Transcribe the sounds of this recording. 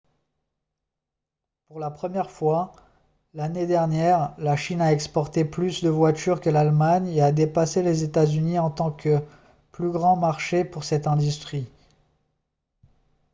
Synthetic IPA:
puʁlapχəmjɛʁfwa | laned̪ɛʁnjɛʁlaʃinaɛkspɔʁt̪eplysd̪əvwat̪yʁkəlalmaɲead̪epaselezet̪azyniɑ̃t̪ɑ̃kə | plyɡʁɑ̃maʁʃepuʁsɛt̪ɛ̃d̪yst̪χi

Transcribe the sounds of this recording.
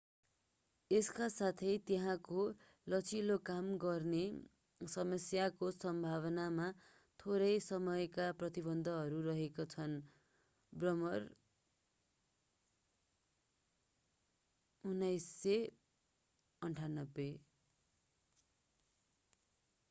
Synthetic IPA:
eskasat̪ʰʌjt̪eɦãko | lʌt͡sʰilokamɡʌrne | sʌmʌsjakosʌmbʱaβʌnama | t̪ʰoɾʌjsʌmʌjkaprʌt̪ibʌnd̪ʱʌɦʌɾuɾʌɦekot͡sʰʌn | brʌmʌr | unːʌjsːe | ʌɳʈʰanʌbːe

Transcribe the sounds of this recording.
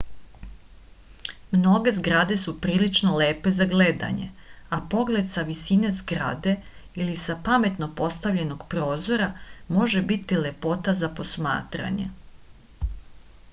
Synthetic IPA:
mno̞ɡe̞zɡɾad̪e̞supɾiːlit͡ʃno̞leːpe̞zaɡle̞d̪a̰ɲe̞̰ | apo̞ɡle̞d̪saʋisine̞zɡɾa̰d̪e̞ilisapame̞t̪no̞po̞st̪aʋʎe̞no̞ɡ̥pɾo̞ːzo̞ɾamo̞ʒe̞bit̪ile̞po̞t̪azapo̞sma̰ːt̪ɾa̰ɲe̞̰

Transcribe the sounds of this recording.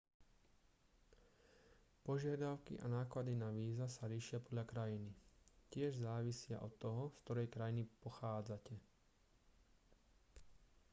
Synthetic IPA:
pɔʒɪad̪aʊkḭʔa̰naːklad̪inaʋiːzasaliːʃɪapɔd̪ʎakɾajinicɪɛʒzaːʋisɪa̰ʔɔt̪ːɔɦɔskt̪ɔɾɛjkɾajinipɔxaːd͡zacɛ

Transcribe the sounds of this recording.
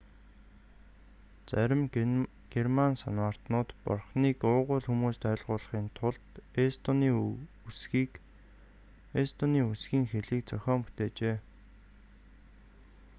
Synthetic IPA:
t͡sæɾʲɪ̆m | ɡ̥ermansanwaːr̥t̪nʊːt̪pɔ̰rχniːkʊːʁʊːɮxumuːst̪œːɮʁʊːɮə̆χiːnt̪ʰʊɮt̪est̪oniː | usɡiːk | est̪oniːusɡiːŋxeɮiːk̚t͡sœxʲɔːmpu̥t̪eːt͡ɕeː

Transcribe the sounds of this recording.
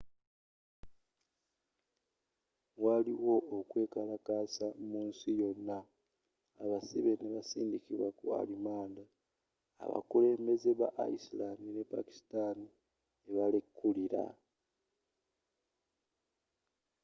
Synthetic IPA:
waliwo̞ːkwe̞ːkalakaːsamuːnsijo̞nːaː | βasiβe̞neβasiːndikiβwakua̰limaːnda̰ː | βa̰kule̞ːmbeze̞βa̰ʔa̰islamine̞pa̰ki̥stani | eβalekːuliɾa̰

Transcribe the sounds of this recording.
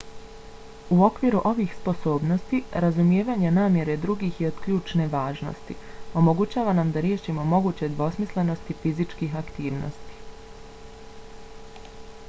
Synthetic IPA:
uo̞kʋiɾuʔo̞ʋixspo̞so̞ːbno̞st̪iɾazumje̞ːʋaɲanaːmjeɾe̞d̪ɾuɡiːxjeod̪̥kʎuːt͡ʃne̞ʋaːʒno̰st̪ḭo̞mo̞ɡut͡ɕaːʋanamd̪aɾje̞ːʃimo̞mo̞ɡuːt͡ɕe̞d̪ʋo̞smisle̞no̞st̪ifizit͡ʃkiːɦakt̪iːʋno̰st̪i̥

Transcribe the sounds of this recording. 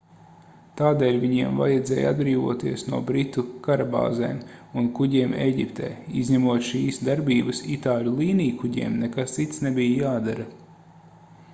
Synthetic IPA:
t̪aːd̪ɛːlʲviɲiɛmva̰jɛd̪zɛːjad̪̚bɾiːvuɔːt̪iɛsnuɔbɾit̪ukaɾaba̰ːzɛ̰ːmunkuɟʲiɛmeːɟʲipt̪ɛ̰ːizɲɛmuɔt̪ʃiːsd̪aɾbʲiːbɐsit̪aːlʲulˠiːniːjkuɟʲḭɛmnekast̪sit̪snebijjaːd̪aɾɐ

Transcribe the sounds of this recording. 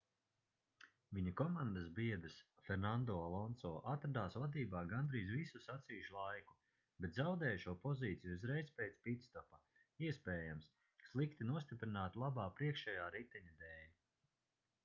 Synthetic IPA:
viɲakɔmãnd̪azbiɛd̪ɨsfɛɾnand̪ɔːalˠɔnsɔːʔat̪ɾad̪aːsvad̪iːbaːɡand̪ɾiːzvisusat̪siːuʃulˠajku̥ | bet̪zawd̪ɛːjʃuɔpɔziːt̪sijuuzɾejzpejt̪spit̪st̪ɔpa | iɛspeːjams | slˠikt̪inuɔst̪ipɾinaːt̪lˠabaːpɾiɛkʃɛjaːɾit̪ɛɲad̪ɛːnʲ

